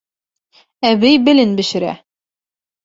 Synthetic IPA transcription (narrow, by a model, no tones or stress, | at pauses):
æβɘjbɘ̆lɘnbɘ̆ʃɘ̆ɾæ̰